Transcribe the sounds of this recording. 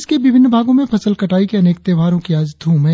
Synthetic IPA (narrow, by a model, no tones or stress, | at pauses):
skeʋɪbʱɪnːbʱaːɡõmẽpʰɐsəlkɐʈaːikeɐneːk̚t̪eːʋaːɾõkiaːd͡ʒd̪ʱũːmɛ̃